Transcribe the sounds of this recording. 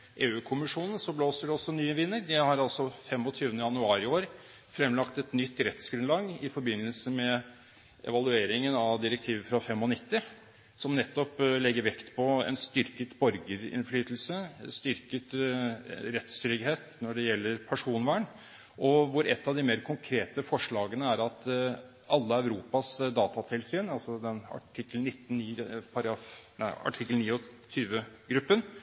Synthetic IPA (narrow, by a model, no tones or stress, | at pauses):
ʔeːʉːkʰʊmɪʂuːnn̩sɔbloːsəɖɛɔsːɔnyːəʋɪnːəɾd̪ɛhɑɾɑlsɔfɛmɔt̪ʰyːʋənəjɑnʉɑːɾɪoːɾ | fɾɛmlɑkt̪ɛt̪nʏt̪ːɾɛt̪sɡɾʉnlɑːɡɪfɔɾbɪnːəlsəmɛ | ɛ̰ʋɑlˠʉeːɾɪŋənɑʋd̪ɪɾək̚t̪ʰiːʋəfɾɑfɛmːɔnɪt̪ːɪ | sɔmnɛt̪ːɔplɛɡːəɾʋɛkt̪pʰɔɛ̰nst̪ʏɾkət̪bɔɾɡəɾɪ̰nflyːt̪lsəst̪ʏɾkət̪ | ɾɛt̪st̪ɾʏɡɦeːt̪nɔɖɛjɛlːəɾpʰæʂuːnʋæːɳ | ʔɔʋʊɾɛt̪ːɑʋd̪ɪmeːɾkʰʊŋkʰɾeːt̪əfɔʂɭɑːɡənəæɾɑt̪ | ʔɑlːəœʉɾuːpɑsd̪ɑːt̪ɑt̪ʰɪlsyːnɑlsɔd̪ɛnɑ̰ʈʰɪkːlnɪt̪ːn̩iːpʰɑɾɑfnæ̰ɪɑ̰ʈʰɪkːəlniːɔt̪ʰyːʋəɡɾʉpːən